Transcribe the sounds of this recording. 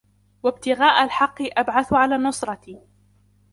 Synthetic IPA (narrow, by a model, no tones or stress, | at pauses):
wab̚t̪ɪɣaːʔalħɑqːɨʔabʕaθʕalaːnʊsˤɾˤɑt̪iː